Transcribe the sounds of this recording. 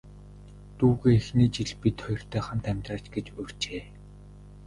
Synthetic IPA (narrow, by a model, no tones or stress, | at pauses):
t̪uːɣeːixniːt͡ɕiɮpit̪ʰχɔjɞ̆r̥t̪ʰœːχănt̪ʰæmʲt̪raːt͡ɕɡet͡ɕɵr̥t͡ɕeː